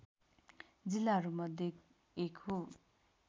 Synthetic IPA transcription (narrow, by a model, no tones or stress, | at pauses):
d͡zilːaɦʌɾumʌd̪ʱek | ekʰɦo